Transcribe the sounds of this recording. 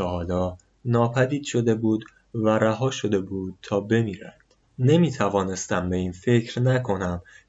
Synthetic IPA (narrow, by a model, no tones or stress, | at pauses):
ehɒːlɒː | nɒːpʰæd̪iːd̪̥ʃo̞d̪e̞buːd̪ | væɾæɦɒːʃo̞d̪e̞buːd̪̥̚t̪ʰɒːbe̞miːɾænd̪̥ | ne̞miːt̪ʰævɒːne̞st̪æmbe̞iːnfe̞cʰɾnækʰo̞næm